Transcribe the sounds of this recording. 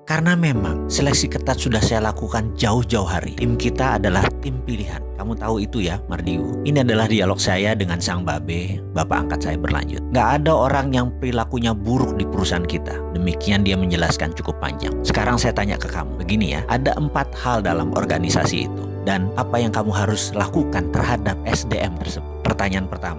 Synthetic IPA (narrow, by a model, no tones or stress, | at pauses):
karnamema̰ŋsɛlɛksikət̪at̪̚sudahsajalakukand͡ʒaʊhd͡ʒauɦaɾḭt̪ɪmkit̪aːdalaht̪ɪmpiliɦa̰nkamut̪auit̪ujamardiuiniadalahdialɔk̚sajadəŋansaŋbabɛ | bapa̰a̰ŋkat̪̚sajabərla̰ɲd͡ʒʊ̰t̪̚ŋɡaʔːdaoɾaŋjaŋpəɾilakuɲabuɾʊk̚dipuɾusankit̪a | dəmikiandiaməɲd͡ʒəlaska̰nt͡ʃukʊpːa̰ɲd͡ʒa̰ŋsə̥kaɾaŋsajat̪aɲa̰ʔkəka̰mṵbəɡinija̰ʔadaʔəmpat̪̚haldalamʔɔ̰rɡanisa̰sḭḭt̪u | danapajaŋkamuɦaɾʊslakukant̪ərhadap̚ɛsdeʔɛmt̪ərsəbʊt̪̚pərt̪aɲaanpərt̪ama